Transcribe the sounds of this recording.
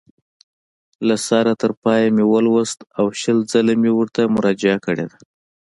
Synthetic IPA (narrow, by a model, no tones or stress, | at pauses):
lasɑɾat̪əɾpɑjamiwəlwast̪awʃəld͡zəlamiwʊɾt̪amʊɾɑd͡ʒɪakəɽḛd̪a